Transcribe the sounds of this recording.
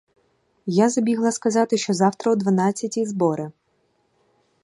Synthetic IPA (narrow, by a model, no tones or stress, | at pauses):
jazɐbʲiɦlˠɐskɐzɑt̪ɪʃt͡ʃɔzɑwt̪ɾɐwd̪ʋɐnɑt͡sʲːɐtʲizbɔɾɪ